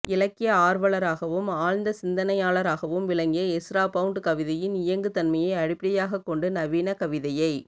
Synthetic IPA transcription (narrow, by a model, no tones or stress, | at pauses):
ɪlɐkːɪjɐaːɾʋɐɭɐɾaːɣɐʋɯmaːɻnd̪ɐsɪnd̪ɐnɐjaːɭɐɾaːɣɐʋɯmʋɪlɐŋɡɪjɐɛsɾaːpɐʋɯɳʈɯkɐʋɪðɐjɪnɪjɐŋɡɯt̪ɐnmɐjɐɪɐɽɪpːɪɽɐjaːɣɐkːɔɳɖɯnɐʋiːnɐkɐʋɪðɐjɐɪ